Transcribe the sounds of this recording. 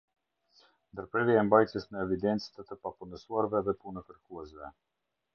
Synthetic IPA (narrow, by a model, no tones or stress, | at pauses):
nd̪əɾpɾɛvjaɛmbajt̪jəsməɛvid̪ɛnt̪t͡st̪ət̪əpapunəsuaɾvɛðɛpunəkəɾkuɛsvɛ